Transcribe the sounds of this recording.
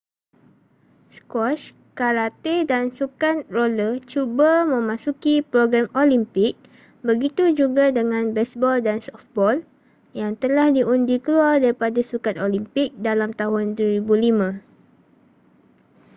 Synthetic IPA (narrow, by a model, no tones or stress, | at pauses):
skɔt͡ʃ | kaɾat̪idansukat̪̚rolət͡ʃubamə̃mãsukipɾoɡɾamolimpɪk̚ | bəɡit̪ud͡ʒuɡadəŋãnbɛsbɔldansɔfbɔl | jaŋt̪əlahdiʔundikəluardaɾipadasukat̪̚olimpɪk̚dalamt̪aɦʊnduwəɾibulimã